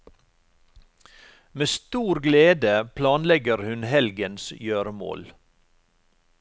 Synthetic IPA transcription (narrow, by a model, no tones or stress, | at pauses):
meːst̪uːɾɡleːd̪əpʰlɑːnlɛɡəɾhʉnhɛlɡənsjøːɾəmo̰ːl